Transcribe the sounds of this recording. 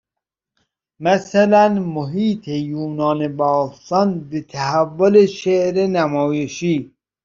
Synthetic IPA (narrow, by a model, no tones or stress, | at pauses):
mæsælænmoɦiːt̪ʰejuːnɑːnebɔːst̪ɒnbet̪ʰæɦævːoleʃeʔɾenæmɔːjeʃiː